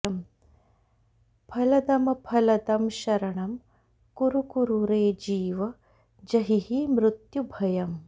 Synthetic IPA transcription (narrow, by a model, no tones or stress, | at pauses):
ɐm | pʰɐlɐd̪ɐmɐpʰɐlɐt̪ɐmʃɐɾɐɳɐm | kuɾukuɾuɾeːd͡ʒiːʋɐ | d͡ʒɐɦihimɾut̪jubʱɐjɐm